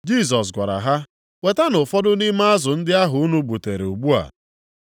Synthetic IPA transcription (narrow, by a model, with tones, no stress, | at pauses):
d͡ʒi˦˨s̬ɔ˨s̬ɡʷa˨ɾa̰˨ɦa˦ | we˨ta˦nʊ˨fɔ˦dʊ˦ni˦ma˦a˦zʊ˨n̩˦dɪ˦a˦ɦʊ˨u˦nu˦bu˨te˨ɾḛ˨u˨bu˦a̰˨